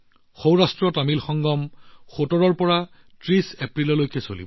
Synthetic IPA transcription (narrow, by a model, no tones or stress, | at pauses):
xowɹastɹɔtamilxɔŋɡɔmxotɔɹɔɹpɔɹa | tɹisepɹilɔlojkɛso̰lḭbɔ